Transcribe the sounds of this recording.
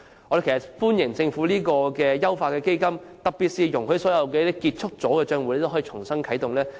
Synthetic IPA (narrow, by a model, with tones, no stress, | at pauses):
ɔ˨˧ɾe˨kʰːtfuː˥njɪ˨˩ŋt͡sɪ˧ŋfu˨˥liː˥kɔː˧kɛː˧jɐ˥wfaː˧kɛː˧ke˥jkɐ˥mt̪ɐ˨k̚piː˨t̚siː˧jʊ˨˩ŋkɵ˨˥sɔː˨˥jɐ˨˧wkɛː˧˥i˥kiː˧t̚t͡sʰʊ˥k̚t͡sɔː˨˥kɛː˧t͡ʃœː˧ŋwu˧˥le˧˥t̪o˥ɦɔː˨˥i˧t͡ʃʰʊ˨˩ŋsɐ˥ŋkʰɐ˨˥jt̪ʊ˨ŋlɛː˥